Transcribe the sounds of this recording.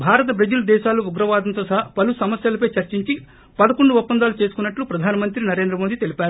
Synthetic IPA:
bʱaːɾɐt̪̬ɐbɾɐd͡ʒulɐd̪ɛːʃaːluʋuɡɾɐʋaːd̪ɐnt̪oːsɐɦɐpɐlusɐmɐsjɐlɐpɐjt͡ʃɐɾt͡ʃiɲt͡ʃi | pɐd̪ɐkoɳɖuɔpːɐnd̪aːlut͡ʃe̞ːsu̥kunːɐʈlupɾɐd̪ʱaːnɐmɐnt̪ɾinɐɾe̞ːnd̪ɾɐmoːd̪it̪e̞lipʲaːɾu

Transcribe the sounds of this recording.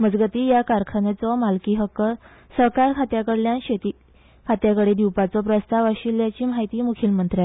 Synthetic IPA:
məd͡zɡət̪iːjakaɾkʰanet͡sɔmalkiːɦəkːəɾ | səɾkaɾkʰat̪jakəɽljanɕet̪iː | kʰat̪jakəɽed̪iwpat͡sɔpɾəst̪aʋaɕiljat͡ɕiːmaɦit̪iːmukʰilmənt̪ɾa

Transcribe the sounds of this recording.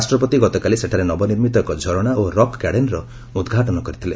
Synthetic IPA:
asʈɾɔpɔt̪iɡɔt̪ɔkaliseʈʰaɾenɔbɔniɾmit̪ɔkɔd͡ʒʱɔɾɔɽ̃aoɾɔkkaɽenɾɔ | ud̪ɡʱaʈɔnɔkɔɾit̪ʰile

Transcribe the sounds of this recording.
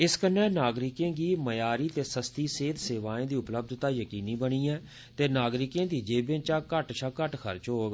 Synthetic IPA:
ɪskənɛ̃ːnaːɡɾɪkẽːɡiːməjaːɾiːt̪eːsəst̪iːseːd̪seːʋaːẽːd̪iːʊpləb̚d̪t̪aːjəkiːniːbəɽ̃iːɛ̃ː | t̪eːnaːɡɾɪkẽːd̪iːd͡ʒeːbẽːt͡ʃaːkəʈʃʰaːkəʈkʰə̰ɾt͡ʃɦoːɡ

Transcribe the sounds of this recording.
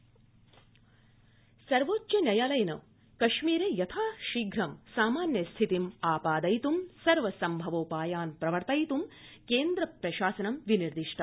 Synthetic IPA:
sɐɾʋoːt͡ʃːt͡ʃɐnjɐjaːlɐjnɐ̰ | kɐʃmiːɾejɐt̪ʰaːʃiːɡʱɾɐmsaːmaːnjɐst̪ʰit̪imaːpaːd̪ɐjt̪umsɐɾʋɐsɐmbʱɐʋoːpaːjaːnpɾɐʋɐɾt̪ɐjt̪umkeːnd̪ɾɐpɾɐʃaːsɐnɐmʋiniɾd̪iʂʈʰɐ

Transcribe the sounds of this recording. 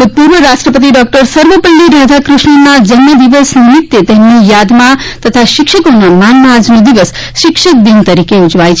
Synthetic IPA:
ud̪̚puɾʋəɾaʃʈɾəpət̪̬iɖɔk̚ʈəɾsəɾʋəpəlːiɾəd̪ʱakɾɪʃɳənad͡ʒənməd̪iʋəsnɪmɪt̪ːet̪emnijad̪mãt̪ət̪ʰaʃɪkʃəkonamanmaad͡ʒnõd̪iʋəs | ʃɪkʃək̚d̪int̪əɾikeud͡ʒʋajt͡ʃʰ

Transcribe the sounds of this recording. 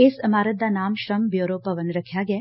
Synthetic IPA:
eːsɐmaːɾɐt̪̚d̪anaːmʃɾɐmbjoːɾoːpɐʋənɾɐkʰjaːɡɛː

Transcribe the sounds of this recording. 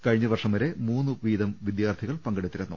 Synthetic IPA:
kɐɻiɲːɨɐʋɐrʂɐmʋɐɾe̞muːnːuʋiːd̪ɐmʋid̪jaːrt̪ʰiɣɐɭpɐŋɡɐɽit̪ːiɾenːṵ

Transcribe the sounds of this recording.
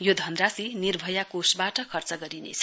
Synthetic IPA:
jod̪ʱʌnd̪rasinirbʱʌjakosbaʈʌkʰʌrt͡sʌɡʌɾinḛt͡sʰʌ̥

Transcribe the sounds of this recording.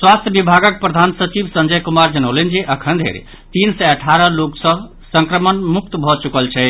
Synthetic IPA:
swast̪ʰjəbibʱaɡək̚pɾəd̪ʱansət͡ʃibsə̃nd͡ʒəjkumaɾd͡ʒənəlen̆d͡ʒeʔəkʰənd̪ʱḛɾḛ | t̪insɛəʈʰaɾəloksə̃ | sə̃ŋkɾəmənmuk̚t̪bʱɔt͡ʃukəlt͡ʃʰɛ

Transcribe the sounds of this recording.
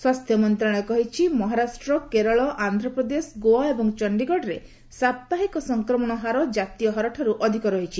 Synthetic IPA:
swast̪ʰjɔmɔnt̪ɾaɽ̃ɔkɔɦit͡ʃʰimɔɦaɾasʈɾɔkeɾɔɭɔʔand̪ʱɾɔpɾɔd̪esɡoaebɔŋt͡ʃɔɳɖiɡɔɖɾe | sap̚t̪aɦikɔsɔŋkɾɔmɔɽ̃ɔɦaɾɔd͡ʒat̪ijɔɦɔɾɔʈʰɔɾuʔɔd̪ʱikɔɾɔɦit͡ʃʰi

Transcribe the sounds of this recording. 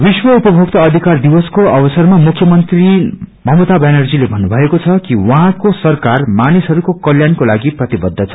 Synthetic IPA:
biswʌupʌbʱok̚t̪ʌʌd̪ʱikard̪iwʌskoʌbʌsʌrmamukʰjʌmʌnt̪rimʌmot̪abenʌrd͡zilebʱʌnːubʱʌekot͡sʰʌkiwʌɦãkosʌrkarmanisɦʌɾukokʌljankolaɡiprʌt̪ibʌd̪ʱːʌt͡sʰʌ

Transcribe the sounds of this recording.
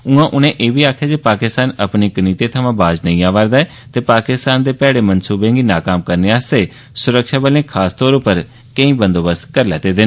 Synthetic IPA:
ʊ̃ːãːʔʊnẽːʔeːʋiːaːkʰjaːd͡ʒeːpaːkɪst̪aːnəpniːkəniːt̪eːt̪ʰəʋãːbaːd͡ʒnə̃ĩːaːʋaːɾd̪aɛː | t̪eːpaːkɪst̪aːnd̪eːpɛːɽeːmənsuːbẽːŋɡiːnaːkaːmkəɾneːaːst̪eː | sʊɾəkʃaːbəlẽːkʰaːst̪ɔːɾopəɾ | kə̃ĩːbə̃nd̪oːbəst̪kəɾlɛ̰ːt̪eːd̪ɪːnː

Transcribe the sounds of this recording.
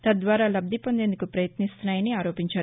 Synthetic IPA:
t̪ɐd̪ʋaːɾaːlɐb̚d̪ʱipo̞nd̪e̞nd̪ukupɾɐjɐt̪nist̪unaːjɐniaːɾo̞ːpiɲt͡ʃaːɾu

